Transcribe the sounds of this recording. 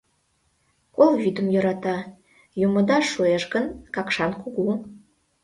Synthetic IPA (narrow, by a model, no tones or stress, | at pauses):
kolˠvyd̪ə̆mjoɾɑt̪ɑ | jumŏd̪ɑʃojeʃɡə̆nkɑkʃɑnkuɣum